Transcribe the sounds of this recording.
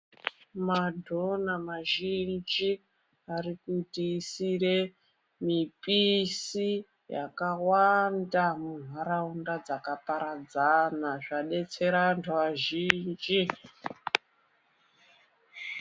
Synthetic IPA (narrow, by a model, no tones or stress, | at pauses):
madʱo̞namaʒind͡ʒi | arikutiːsire̞ | mipisi | ja̰kawandamun̤waɾaundad͡zakapaɾad͡zanaʐaɗe̞t͡se̞ɾantʰuʋaʒind͡ʒi